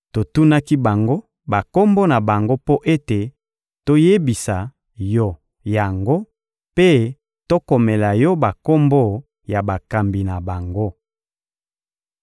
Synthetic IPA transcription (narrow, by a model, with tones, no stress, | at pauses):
to˨tu˦na˦ki˦ba˨ŋɡo˦ | ba˨ko˦mbo˦na˨ba˨ŋɡo˦po˦ʔe˦te˨ | to˦je˦bi˨sa˨ | jɔ˦ | ja˨ŋɡo˦ | pe˦ | to˦ko˨mɛ˨la˨jɔ˦ba˨ko˦mbo˦ | ja˨ba˨ka˨mbi˨na˨ba˨ŋɡo˦